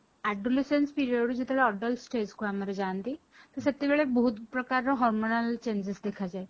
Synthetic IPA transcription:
æɖolesənspiɾioɽud͡ʑit̪ʰaɭeɔɖəlsʈeskuaməɾed͡zant̪i | t̪əɾsət̪ːiʋeɭebɔɦut̪pɾəkaɾɔɦɔɾmonəlt͡ɕeɲd͡ʑəsd̪ekʰad͡ʑaj

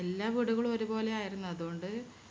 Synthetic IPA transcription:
elːaːʋiɽuɣɐɭo̞ɾubo̞ːle̞aːjiɾunːɐɐðuɣo̞ɳɖɨ

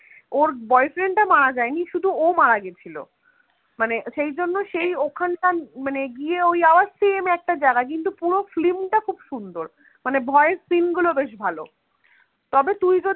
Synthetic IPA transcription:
oɾbɔjfɾeɳʈamaɽad͡ʑaeniʃud̪ʱuomaɽaɡet͡ɕʰilo̰ | maneʃejd͡ʑonːoʃejokʰanʈamaneɡieojabasːiemeɛk̚ʈad͡ʑaɡak̬int̪̬upuɾoflimʈakʰubʃund̪oɾ | manebʱɔeeɾskinɡulobeʃ̬bʱalo̰ | t̪ɔbet̪ujd͡ʑo

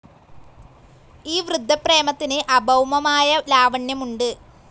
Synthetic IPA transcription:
iːʋrɨd̪ʱːɐpre̞ːmɐt̪ːineʔɐbʱɐwmɐmaːjɐlaːʋɐɳjɐmuɳɖɨ

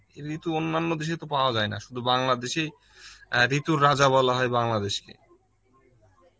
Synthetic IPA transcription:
eɾit̪uonːanːod̪eʃ̬et̪opaoad͡ʑaena̰ʃud̪ʱubaŋlad̪eʃej | ɾit̪uɾːad͡ʑaβɔlaɦɔebaŋlad̪eʃkḛ

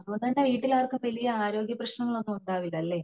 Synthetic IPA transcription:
ɐponɐndeʋiːʈːilaːɐrkɨʋɐlijɐaːɾo̞ːɡjɐprɐɕnɐŋːɐɭo̞nːɨuɳɖaːʋilːɐːlːe̞ː

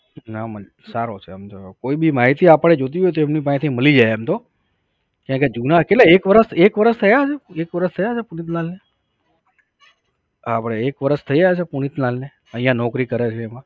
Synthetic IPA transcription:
namə | saɾot͡ʃʰeəmt̪okoibimaɦit̪iapəɽed͡ʒot̪̬iɦojt̪oemnip̬ãĩt̪ʰiməlid͡ʒaeemt̪o | kjãked͡ʒunaketleekʋəɾəsekʋəɾəst̪ʰəjat͡ʃʰeekʋəɾəst̪ʰəjat͡ʃʰepunit̪̬nalne | apɽ̃eekʋəɾəst̪ʰəid͡ʒajt͡ʃʰepuɽ̃it̪nalne | əɦijãnɔkɾikəɾet͡ʃʰeːmã

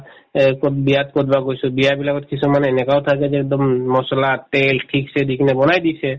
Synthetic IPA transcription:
kot̪biat̪kɔt̪baɡojsʰubiabilakɔt̪kit͡ʃʰumaneenekaot̪ʰaked͡ʒɛk̚d̪ɔmːɔsɔlaʈelʈʰiksʰed̪ikʰnebɔnajd̪it͡ʃʰe

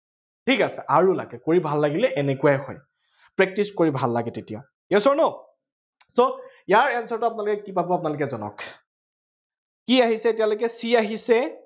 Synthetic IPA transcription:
tʰikasɛʔaɹula̰ɡɛkoɹibʱalːaɡilɛʔɛnekuwajxɔ̰j | pɹɛk̚tiskoɹibʱalːaɡɛtetija̰ | esɔɹnɔ | so | jaɹɛnsɔɹtʊap̬ʊnalʊkɛkipabɔapʊnalʊkɛzɔnɔ̰k | kiaɦisɛtijalokɛsiaɦisɛ

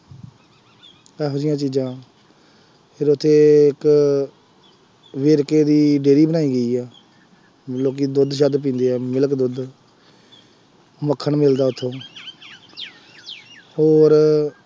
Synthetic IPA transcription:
ɛːɦod͡ʒɪjãːt͡ʃiːd͡ʒãː | pʰɪɾʊt̪ʰːeːɪk | ʋeːɾkeːd̪iːɖeːɾiːbənaːiːɡəiːɛː | loːk̬iːd̪ʊd̪ʃəd̪p̬ĩːnd̪eːɛːmɪləkd̪ʊd̪ | məkʰːəɳmɪld̪aːʊt̪ʰːõː | hoːɾ

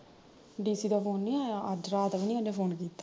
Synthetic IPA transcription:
ɖiːsiːd̪aːpʰoːnːĩːaəd͡ʒɾaːt̪əʋinĩːənepʰoːnkiːt̪ːḁː

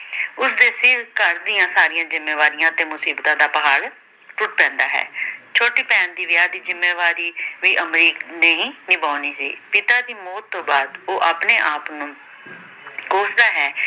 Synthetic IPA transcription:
ʊsd̪eːsɪɾkəɾd̪ɪːjãːsaːɾɪjãːzɪmeːʋaːɾɪjãːt̪eːmʊsiːbt̪ãːd̪aːpəɦaːɽ | ʈʊʈ̚pɛ̃ːnd̪aːɦɛ̰ːt͡ʃʰoːʈiːpɛ̃ːnd̪iːʋɪjaːd̪iːzɪmːeːʋaːɾiːʋiːʔəmɾiːkneːɦĩːnɪbaːniːsiːpɪt̪aːd̪iːmɔːt̪ːõːbaːd̪oːʔaːpneːʔaːpnũː | koːsd̪aːɦɛː

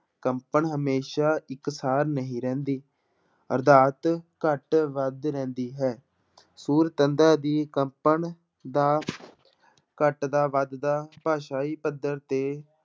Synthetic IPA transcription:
kəmpəɳɦəmeːʃaːɪksaːɾnəɦĩːɾɛ̃ːnd̪iː | əɾd̪aːt̪kəʈʋəd̪ɾɛ̃ːnd̪iːɦɛː | suːɾt̪ənd̪aːd̪iːkəmpən | d̪aː | kəʈd̪aːʋəd̪d̪aːpaːʃaːiːpəd̪əɾt̪eː

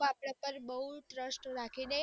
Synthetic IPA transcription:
apɽ̃apəɾbəɦuʈɾəsʈɾakʰine

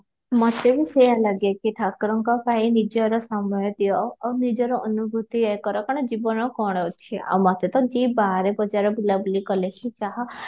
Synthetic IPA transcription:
mɔt̪ebisejalaɡekiʈʰakɾɔŋkɔpaĩnid͡ʒɔɾɔsamɔjɔt̪iɔːwnid͡ʒɔɾɔʔɔnubʱut̪iekɔɾɔkɔɽ̃ɔd͡ʒibɔnɔkɔɽ̃ɔt͡ʃʰia̰wmɔt̪et̪ɔd͡ʒibaɾebɔd͡ʒaɾɔbilabulikɔlekʰit͡ʃaɦɔ

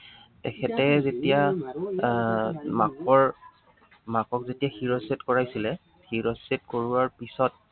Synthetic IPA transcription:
tɛkʰɛtɛzetija | makɔɹ | makɔkzetijaxiɹɔsetkɔɹajsilɛ | xiɹɔsetkoɹʊwaɹpisɔt̚

